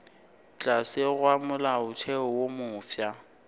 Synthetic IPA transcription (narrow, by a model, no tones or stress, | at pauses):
t͡ɬʼasɪɣwamʊlaʊtʰɛɔwomʊːfja